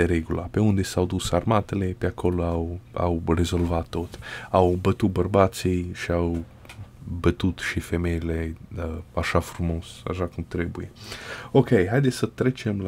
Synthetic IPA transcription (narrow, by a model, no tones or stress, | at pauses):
eɾeɡulape̞und̪e̞sawd̪usarmat̪ele̞peakʰo̞loawa̰wre̞zo̞lvat̪ːo̞t̪awbət̪ut̪̚bərbat̪sijʃiaw | bət̪ut̪ʃife̞me̞jleəaʃafɾumo̞sa̰ʃakumt̪ɾe̞buje̞okejɦajd̪esʲsət̪ɾet͡ʃemla